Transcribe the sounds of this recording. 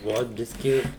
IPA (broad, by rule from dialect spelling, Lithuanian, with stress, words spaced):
ˈʋoːt ˈbʲɪsʲkʲɪ